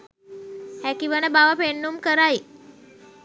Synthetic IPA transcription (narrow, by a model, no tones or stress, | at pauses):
hɛkiʋənəbaʋapeɳːumkəɾaj